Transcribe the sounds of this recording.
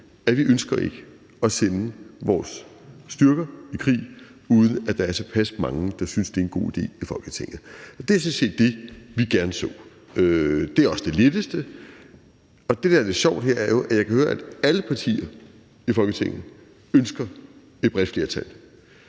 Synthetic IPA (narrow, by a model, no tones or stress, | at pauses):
æʋiʔønsɡ̥ɐʔe̝ɡ̥ə | ɒ̽senəʋɒːsːd̥ɶɐɡ̥ɐikʰʁḭːuːð̞ˠn̩æd̥ɑ̈æɐsʰɒpʰæsmɑ̈ŋəd̥ɑ̈synsd̥e̝æenɡ̥o̝̰ːid̥e̝̰ːifɒ̽lɡ̥ət͡sʰe̝ŋ̰ð̩ˠɒ̽d̥e̝æsense̝̰ːd̥ːe̝ʋiɡ̥æɐnəsɔ̰̽ː | ød̥e̝æɐɒ̽sd̥e̝led̥əsd̥ə | ɒ̽d̥e̝d̥æɐle̝d̥ɕɒʊ̰d̥heɐ̰æɐjo̝ʔæjɑ̈ɪkʰæhøːɐæd̥æləpʰɑ̈t͡sʰḭːɐ | ifɒ̽lɡ̥ət͡sʰe̝ŋ̰̩ˠ | ønsɡ̥ɐ | e̝d̥̚b̥ʁɛd̥fle̝ːɐt͡sʰæl